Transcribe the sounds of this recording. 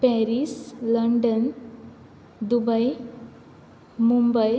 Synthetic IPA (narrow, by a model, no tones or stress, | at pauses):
pɛɾisləɳɖən | d̪ubəj | mumbəj